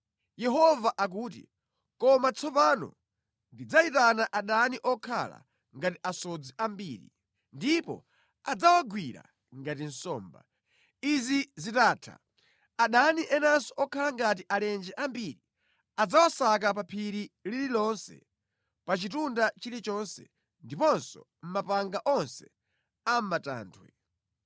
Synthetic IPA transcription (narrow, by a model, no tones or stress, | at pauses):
jɛɦɔvaʔak̬uːt̬ḭ | kɔmat͡sʰɔpanɔ̰ | ndid͡zaitanaʔaɗaniʔɔkʰa̰la̰ | ŋɡatiʔasɔd͡ziʔambiːɾḭ | ndipɔ̰ | ad͡zawaɡwiɾa̰ | ŋɡat̬in̩sɔːmba̰ | izizitaːtʰa̰ | aɗaniʔɛnansɔʔɔkʰalaŋɡat̬iʔalɛnd͡ʒɛʔambiɾi | ad͡zawasak̬ap̬apʰiɾilililɔnsɛ̰ | pat͡ʃitundat͡ʃilit͡ʃɔnsɛ̰ | ndipɔnsɔ̰ | m̩mapaŋɡaʔɔnsɛ | am̩mata̰ːntʰwɛ